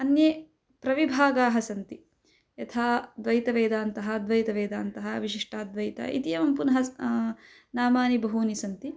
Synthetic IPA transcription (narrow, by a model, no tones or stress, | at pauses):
ɐnjeː | pɾɐʋibʱaːɡaːɦɐsɐnt̪i | jɐt̪ʰaːd̪ʋɐjt̪ɐʋeːd̪aːnt̪ɐɦɐd̪ʋɐjt̪ɐʋeːd̪aːnt̪ɐɦɐʋiʃiʂʈʰaːd̪ʋɐjit̪ɐ̰ʔḭt̪ijɐmɐmpunɐɦɐ | naːmaːnibɐɦuːnisɐnt̪i